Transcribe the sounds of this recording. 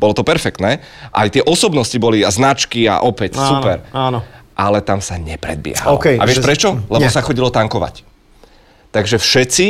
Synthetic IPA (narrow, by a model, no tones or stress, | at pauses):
b̥ɔlɔt̪ɔpɛɾfɛkt̪nɛː | ʔa̰jt̪ɪɛʔɔsɔbnɔscibɔliaznat͡ʃkia̰ʔɔpɛcːuppɛɾaːnɔʔalɛt̪amsaɲɛpɾɛ̰d̪̚bɪɛ̰ɦa̰l̰kɛa̰ʋɪɛʃpɾɛt͡ʃɔlɛbɔsaxɔɟilɔt̪aŋkɔʋa̰c | t̪aɡʒɛfʃɛt͡si